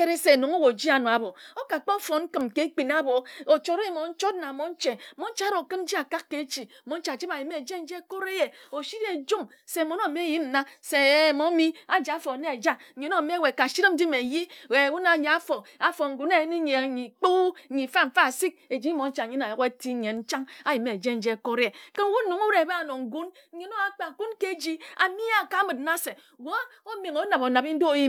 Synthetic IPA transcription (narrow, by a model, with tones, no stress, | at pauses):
e˦ɾi˦se˨no˨ŋo˦wo˨d͡ʒi˦a˨no˨a˨bo˨o˦ka˨k͡po˦fo˨ŋ̩˦kɨ˨mke˨˦k͡pi˨na˦bo˨o˨t͡ʃo˦ɾe˦e˦˨mo˨n̩˦t͡ʃo˦tna˨mo˨˦n̩˦t͡ʃe˨mo˦n˦t͡ʃa˦ɾo˨kɨ˦m˦d͡ʒi˦a˨ka˦kːe˨˦t͡ʃi˨mo˨˦n̩˦t͡ʃa˨t͡ʃi˦ba˨ji˨me˨d͡ʒe˦n̩˦d͡ʒe˦ko˦ɾe˦je˨o˨ʃi˦ɾe˨d͡ʒu˦m | se˨mo˨˦no˦˨me˦˨ji˦n̩˨na˦se˨mo˨˦mi˦a˨d͡ʒa˨˦fo˨ne˦e˨d͡ʒa˦˨ɲ˨˦no˦˨me˦˨we˨ka˨ʃi˦ɾi˦m̩˦di˦me˨ji˦e˨wu˦na˨ɲa˨a˦fo˨a˨fo˨ŋ̩˨ɡu˨˦ne˨˦ni˦ɲe˨˦i˨k͡po˦˨˦i˨fa˦m̩˨fa˦˨si˦k̚e˨d͡ʒi˦mo˨n̩˦t͡ʃa˨ɲi˦na˨jo˨˦e˦ti˦ɲe˨nn̩˦t͡ʃa˦ŋa˦ji˨me˨d͡ʒe˦n̩˦d͡ʒe˦˨ko˦ɾe˨ke˦n˦wu˦nu˨˦ŋo˦ɾe˦˨be˦a˨no˨ŋ̩˨ɡu˦n̩˦ɲe˨˦no˦a˨k͡pa˨ku˦nke˦˨d͡ʒi˦a˨mi˦a˨ka˨˦mɨ˨t̩̚˦na˦se˨ | ɡo˦o˦me˨ŋo˨˦na˨bo˨na˨bi˦n̩˦do˦˨ji˦